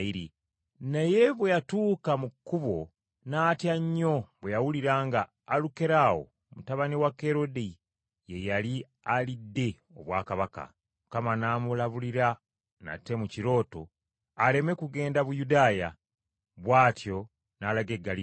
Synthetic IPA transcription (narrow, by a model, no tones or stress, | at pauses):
iɾi | neje̞βwe̞jatuːkamukːuβo̞ | naːtjaɲːo̞βwejawuliɾaːŋɡaː | luke̞ɾaːwo̞̰ | mutaβaniwake̞ɾo̞di | je̞jali | alidːe̞ | o̞βwa̰ːkaβaka̰ | mukamanaːmulaβuliɾa | na̰te̞muciɾo̞ːto̞ | ale̞me̞kuɡe̞ːndaβujudaːja̰ | βwaːtjo̞ | naːlaɡe̞ɡːali